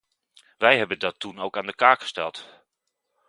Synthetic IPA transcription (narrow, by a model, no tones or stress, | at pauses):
ʋɛjɦɛbəndɑtunowkaːndəkaːkχə̥stɛ̰lˠt